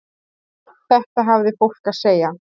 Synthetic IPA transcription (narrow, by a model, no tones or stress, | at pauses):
θɛht̪aɦavðɪfowl̥kaðseːja